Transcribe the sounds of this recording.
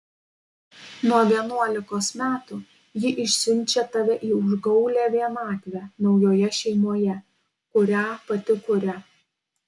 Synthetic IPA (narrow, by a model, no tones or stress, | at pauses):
nuɔʋʲiɛnuɔlʲɪkoːsmʲæːt̪u | jɪʔɪʃʲsʲɪnʲˑt͡ʃʲɛt̪ɐʋʲɛʔiːʊʒɡɒʊlʲæːʋʲiɛnɑːt̪ʲʋʲæːnɒʊjoːjɛʃʲɛɪmoːjɛ | kʊɾʲaːpɐt̪ʲɪkʊɾʲɛ